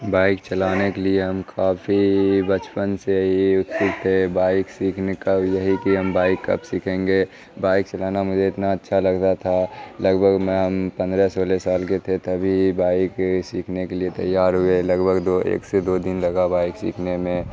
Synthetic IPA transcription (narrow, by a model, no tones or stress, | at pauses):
baːɪk̚t͡ʃəlaːnekelieɦəmkʰaːpʰibət͡ʃpənseɦiʊt̪t̪ʊkt̪ʰebaːɪksiːkʰnekəbjəɦikiɦəmbaːɪkːɐ̰bsikʰẽːŋɡe | baːɪk̚t͡ʃəlaːnamʊd͡ʒʱeɪt̪naətːʃʰalɐɡt̪at̪ʰaləɡbʱəɡmɛ̃ɦəmpə̃nd̪ɾɛsoːlesaːlket̪ʰet̪əbʱibaːɪksiːkʰnekeliet̪ə̰jːaːɾɦʊeləɡbʱəɡd̪oḛːksed̪od̪ɪnləɡabaːɪksḭːkʰnemẽ